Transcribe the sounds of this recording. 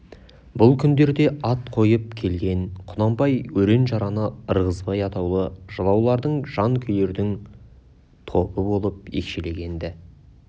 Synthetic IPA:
bʊlˠkʲʰʏnd̪e̞ɾd̪e̞ɑt̪̚qʰo̞jəp̚kʲʰe̞lɡʲe̞nqʰʊnɑmbɑjwɵɾe̞nʒɑɾɑnəəɾʁəzbɑjɑt̪ɑwlˠəʒəlˠɑwlˠɑɾd̪əɴʒ̥ɑŋkʲʰʏjle̞ɾd̪ɪŋ | t̪ʰo̞pəbo̞lˠəp̚ḛkʃele̞ɡʲe̞nd̪ɪ

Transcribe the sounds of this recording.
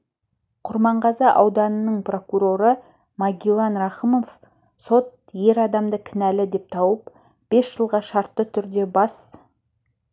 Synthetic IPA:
qʰʊɾmɑɴʁɑzɑʔɑwd̪ɑnənəɴpro̞kuɾo̞ɾə | mɑɡʲilˠɑnrɑχəmo̞f | so̞t̪̚je̞ɾɑd̪ɑmd̪əkʲʰɪnælɪd̪e̞p̚t̪ʰɑwəp | b̥e̞sʒ̥əlˠʁɑʃɑɾt̪ːət̪ʰʏɾd̪e̞bɑs

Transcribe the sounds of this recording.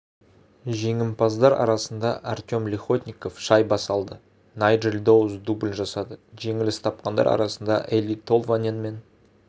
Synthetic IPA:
ʒe̞ŋɪmpʰɑzd̪ɑɾɑ̰ɾɑsənd̪ɑʔart̪ʲo̞mlʲiχo̞t̪ʲnʲiko̞fʃɑjbɑsɑlˠd̪ə | nɑjdrelʲd̪o̞wzd̪ublʲʒɑsɑd̪əʒe̞ŋɪlɪst̪ʰɑp̚qɑnd̪ɑ̰ɾɑ̰ɾɑsənd̪ɑ̰ʔelʲit̪ʰo̞lˠvanʲenme̞n

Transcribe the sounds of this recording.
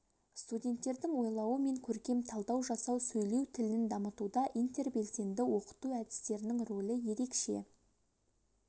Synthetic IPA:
st̪udʲe̞nt̪ːe̞ɾd̪ɪŋwo̞jlˠɑwəme̞ŋkʲʰɵɾkʲe̞mt̪ʰɑlˠd̪ɑwʒɑsɑwsɵjle̞wt̪ʰɪlɪnɪnd̪ɑmət̪ud̪ɑʔijnt̪e̞rbe̞lse̞nd̪ɪwo̞qə̥t̪uæd̪ɪ̥st̪e̞ɾɪnɪŋro̞lʲˠəje̞ɾe̞kʃḛ

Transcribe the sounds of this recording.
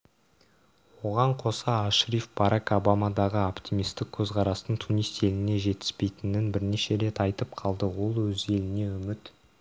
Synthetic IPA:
wo̞ʁɑɴqʰo̞sɑːʃɾifb̥ɑɾɑko̞bamɑd̪ɑʁəopt̪ʲimijst̪ɪk̚kʲʰɵzqʰɑɾɑst̪əɴt̪ʰunijst̪e̞lɪne̞ʒe̞t̪ɪ̥spe̞jt̪ɪnɪnbɪɾne̞ʃe̞ɾe̞t̪ɑjt̪əpqʰɑlˠd̪əwo̞lˠwɵze̞lɪne̞ʏmɪt̪

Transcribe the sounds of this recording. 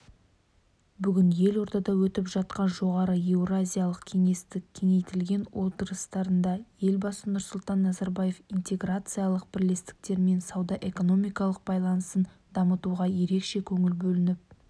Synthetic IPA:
bʏɡʲɪnje̞lo̞ɾt̪ɑd̪ɑwɵt̪ɪpʒɑt̪qɑnʒo̞ʁɑɾəewrazʲijalˠəqkʲʰe̞ŋe̞st̪ɪkʲʰe̞ŋe̞jt̪ɪlɡʲe̞nwo̞t̪əɾəst̪ɑɾənd̪ɑje̞lbɑsənʊɾsʊlˠt̪ɑnːɑzaɾbaje̞fint̪e̞ɡrat̪sɨjalˠəq̚b̥ɪɾle̞st̪ɪ̥k̚t̪e̞ɾme̞nsɑwd̪ɑʔe̞ko̞no̞mijkɑlˠəq̚bɑjlˠɑnəsən | d̪ɑmət̪uʁɑje̞ɾe̞kʃe̞kʲʰɵŋɪlbɵlɪnɪp̚

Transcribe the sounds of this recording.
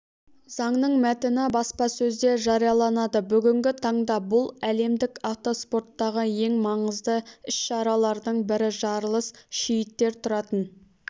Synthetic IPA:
zɑɴnəɴmæt̪ɪnɪbɑspɑsɵzd̪e̞ʒɑɾijɑlˠɑnɑd̪əbʏɡʲɪŋɡʲɪt̪ʰɑɴd̪ɑbʊlˠæle̞md̪ɪkɑft̪o̞spo̞ɾt̪ːɑʁəje̞ŋmɑɴəzd̪əʏʃʃɑɾɑlˠɑɾd̪əɴbɪɾɪʒɑɾlˠəsʃɪjɪt̪ːe̞ɾt̪ʰʊɾɑt̪ən

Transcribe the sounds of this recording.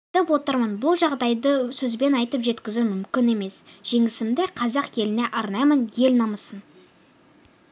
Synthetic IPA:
t̪əpwo̞t̪əɾmɑnbʊlˠʒɑʁd̪ɑjd̪əsɵzbe̞nɑjt̪əpʒe̞t̪kʲɪzumʏmkʲɪne̞me̞sʒ̥e̞ŋɪsɪmd̪eqʰɑzɑqkʰe̞lɪne̞ʔɑɾnɑjmənje̞lnɑməsən

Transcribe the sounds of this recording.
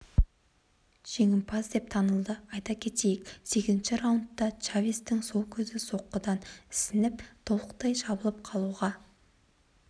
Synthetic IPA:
ʒ̥e̞ŋʲɪmpʰɑzd̪e̞p̚t̪ʰɑnəlˠd̪əɑjt̪ɑkʲʰe̞t̪e̞jɪkʲse̞kʲɪzɪnʃɪɾawʊnt̪ːɑt͡ʃavʲist̪ɪŋso̞lˠkʲʰɵzɪso̞qːəd̪ɑnɪ̥sɪnɪp̚t̪ʰo̞lˠəq̚t̪ɑjʃɑbəlˠəp̚qʰɑlˠuʁɑ

